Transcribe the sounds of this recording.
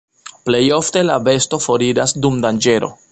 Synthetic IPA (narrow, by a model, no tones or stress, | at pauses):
ple̞jo̞fte̞lave̞sto̞fo̞ɾid͡ʒasdumdand͡ʒe̞ɾo̰